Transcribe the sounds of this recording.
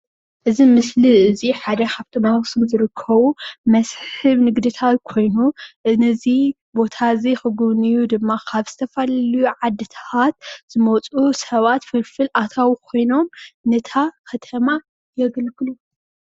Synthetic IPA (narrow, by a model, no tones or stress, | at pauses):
ʔɨzimɨsliɨziħad̪ɐkʰaβt̪ʰɨmaɣsɨmzɨɾɨkʰːɐβumɐsħħɨβnɨɡd̪ɨt̪ʰat̪̚kʰo̞jnuʔɨnɨzi | bo̞t̪ʰazexɨɡuβnijud̪ɨmːakʰaβz̥ɨt̪ʰɐfalɐlijuʕad̪ːɨt̪ʰat̪̚z̥ɨmot͡sʼusɐβat̪fɨlfɨlʔat̪ʰawikʰo̞jno̞mnɨt̪ʰakʰɐt̪ʰɐma | jɛɡɨlkɨlu